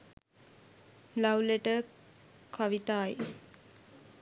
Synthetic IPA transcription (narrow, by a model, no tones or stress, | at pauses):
lawleʈə | kaʋit̪aːje